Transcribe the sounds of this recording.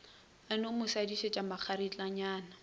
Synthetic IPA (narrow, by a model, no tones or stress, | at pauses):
anʊmʊsadiʃet͡ʃʼamak͡xʰaɾit͡ɬʼaɲaːna